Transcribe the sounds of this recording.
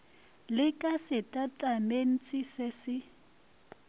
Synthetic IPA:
lɪkʼasɪtʼatʼamen̩t͡sʼɪsɪsɪ

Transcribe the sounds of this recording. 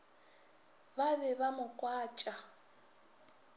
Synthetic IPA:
babɛβamʊkʼwaːt͡ʃʼa

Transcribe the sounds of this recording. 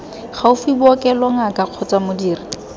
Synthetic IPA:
χaʊfibɔkʼɛlɔŋakʼaq͡χʰɔt͡sʼamʊdiːrɪ

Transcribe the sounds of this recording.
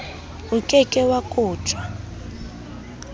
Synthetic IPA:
ukʼɛkʼɛwakʼuːt͡ʃʼwa

